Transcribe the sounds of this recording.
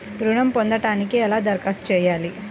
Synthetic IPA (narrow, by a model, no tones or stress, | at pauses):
ɾuɳɐmpond̪ɐʈaːnikeɛlaːd̪ɐɾkaːst͡ʃɛːjaːli